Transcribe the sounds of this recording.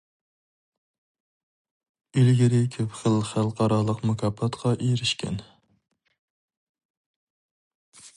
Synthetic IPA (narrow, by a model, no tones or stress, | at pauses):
ilɡʲɪɾɪkʲʰøpχəlˠχælˠqɑɾɑlˠəqmukʲʰɑpʰːɑt̪qʰɑʔeɾɪʃkʲʰɛ̰n